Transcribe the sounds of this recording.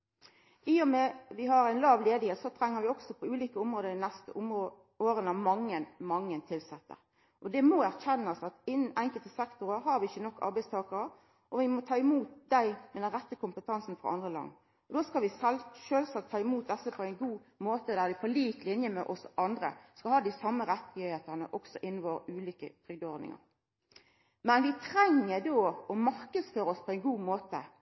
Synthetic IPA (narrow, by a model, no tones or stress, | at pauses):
ʔɪʊmɛʋɪɦɑɾæɪnlɑːʋleːd̪ɪheːt̪sɔt̪ʰɾɛŋːəɾʋɪɔɡsɔpʰɔʉːliːkəʊmɾoːd̪əd̪ɪnɛst̪ə̰ʊm | oːɾənəmɑŋːənmɑŋːənt̪ʰɪlsɛt̪ːə̰ɾ | ʔɔd̪ɛmɔæʁçɛnːɑsɑt̪ɪnːn̩æɪŋkəlt̪əsɛkt̪ʊɾəɦɑɾʋɪɪçːənɔkːɑ̰ɾbæɪst̪ʰɑːkɑɾə | ʔɔʋɪmɔt̪ʰɑːɪmuːt̪̚d̪æɪmɛd̪ɛnʁɛt̪ːəkʰʊmpət̪ʰɑnsn̩fʁɑ̰ɑ̰nd̪ʁəlɑ̰ŋ | ɔd̪oːskɑlʋɪsɛlʃøːlsɑk̚t̪ʰɑːɪmuːt̪̚d̪ɛsːəpʰɔæɪnɡuːmoːt̪əd̪æʁd̪ɪfʰɔliːt̪lɪnjəmɛ̰ʔɔsʔɑnd̪ʁə̰skɑlhɑːd̪ɪsɑmːəɾɛt̪ːɪhheːt̪əʁnə̰ʔɔksɔʔɪnːn̩ʋoːʁʉːliːkə̰t̪ʰʁʏɡ̚d̪ɔːʁd̪nɪ̰ŋɑ̰ʁ | mɛnʋɪt̪ʰɾɛŋːəd̪oːɔmɑʁkəsføːɾəɔspʰɔæɪnɡuːmoːt̪ə̰